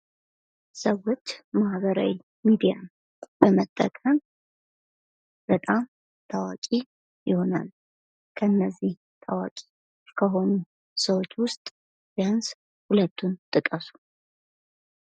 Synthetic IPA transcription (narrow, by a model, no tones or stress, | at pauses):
səwo̞t͡ʃːmahβəɾa̰wi | mid̪ija̰ | bəmət̪ʼːə̰kʼəm | b̥ət̪ʼam | t̪ʰawa̰kʼi | jɪho̞na̰l | kʰənːəzːih | t̪ʰawa̰kʼi̥ | kʰəɦo̞nu | səwo̞t͡ʃːwʊst̪ʼ | bjans | hulət̪ʰːunt̪ʼɨkʼəsu̥